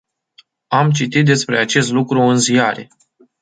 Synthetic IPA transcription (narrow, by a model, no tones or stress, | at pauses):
amt͡ʃit̪it̪̚d̪e̞spɾe̞at͡ʃe̞st̪lukɾuɨnzijaɾe̞̰